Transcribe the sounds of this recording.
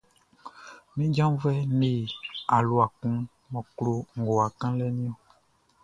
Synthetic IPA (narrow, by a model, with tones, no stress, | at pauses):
nĩ˦d͡ʒã˦m˦vɛ˦ne˨a˨lo˦a˨kũ˦ | mɔ̃˨klo˦ŋ̩˨ɡo˨a˨kã˦lɛ˦nĩ˦o˨